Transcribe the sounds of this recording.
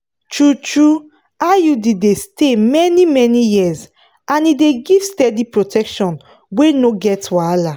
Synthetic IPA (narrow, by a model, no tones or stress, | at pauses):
tɹutɹu | ajudidestemɛnimɛnijiz | ãnideɡivstɛdipɹotʰɛkʃɔ̃n | wenoɡɛtwala